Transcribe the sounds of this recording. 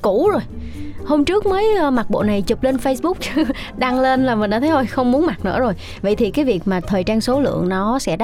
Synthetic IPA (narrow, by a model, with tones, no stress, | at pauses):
ku˧˩˥zo˨˩jho˧mt͡ɕɨ˦˥ək̚məː˨˦jːma˨˩t̚ɓo̰˧˨na˨˩jt͡ɕu˨˩p̚le˧nfə˧jsɓʊ˦˥k͡p̚ | ɗa˧ŋle˧nlaː˨˩mi˨˩ɗa̰ː˧t̪ʰə˨˦o˧jxə˧wŋ͡mmu˨˦ənma˨˩t̚nɨ̰˧˥əzo˨˩j | və̰˧˨jt̪ʰi˨˩kaː˨˦jvi˨˩ək̚maː˨˩t̪ʰəː˨˩jt͡ɕaː˧ŋso˨˦lɨ̰˧˨əŋnɔ˨˦sɛ̰˧˥ɗ